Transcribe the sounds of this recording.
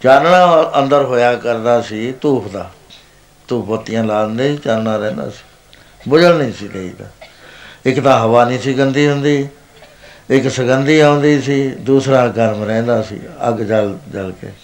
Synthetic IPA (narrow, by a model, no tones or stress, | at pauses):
t͡ʃaːɾɳãːənd̪əɾɦoːjaːkəɾd̪aːsiːt̪uːpʰd̪aː | t̪uːpʰət̪ːɪjãːlaːənd̪eːiːt͡ʃaːnɳaːɾɛ̃ːnd̪a̰ːsi̥ː | bʊd͡ʒəlnĩːsiːd̪eːḭːd̪a̰ː | ɪkd̪aːɦəʋaːnĩːsɪɡənd̪iːɦʊnd̪iː | ɪksəɡənd̪iːãːʊ̃nd̪iːsiːd̪uːsɾaːɡəɾmɾɛ̃ːnd̪aːsḭːə̰ɡd͡ʒəld͡ʒəlkḛː